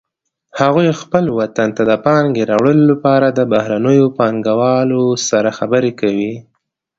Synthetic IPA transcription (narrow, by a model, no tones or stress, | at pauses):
haɣujxpəlwat̪ant̪ad̪əpɑŋɡeɾɑwɽəlolapɑɾad̪əbahɾanəjopɑŋɡawɑlosaɾaxabəɾekawi